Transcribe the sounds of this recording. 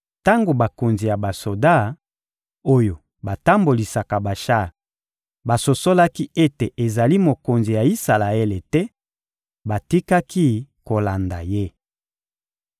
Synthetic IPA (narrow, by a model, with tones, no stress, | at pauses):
ta˦ŋɡo˨ba˨ko˨nzi˨ja˨ba˨so˨da˦˨ | o˦jo˨ | ba˨ta˦mbo˨li˨sa˨ka˨ba˨ʃa˦˨ | ba˨so˨so˦la˦ki˦e˦te˨ʔe˨za˨li˦mo˨ko˨nzi˨ja˨i˦sa˨la˨e˦le˨tɛ˦ | ba˨ti˦ka˦ki˦ko˨la˨nda̰˨je˦